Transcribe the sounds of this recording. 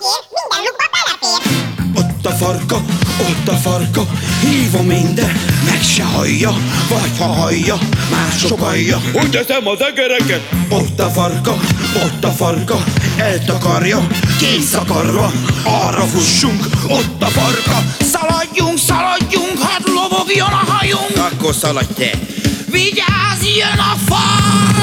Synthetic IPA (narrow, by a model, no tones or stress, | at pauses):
ot̪ːɒfɒrkɒo̞t̪ːɒfɒrkɒhiːvomind̪ɛnmɛkʃɛhɒ̰jːɒvɒchɒɦɒjːɒmaːʃookɒjːɒuɛsɛmɒzɛɡɛɾɛkɛt̪ot̪ːɒfɒrkɒ | ot̪ːɒfɒrkɒɛlt̪ɒkɒrjɒkeːsɒkɒrːɒɒːrɒfuʃːuŋkot̪ːɒfɒrkɒsɒlɒɟːuŋksɒlɒɟːuŋkhɒt̪lovo̞ɡjonɒɦɒjuŋkɒkːorsɒlɒɟːɛ̰ːviɟaːzjonɒfɒ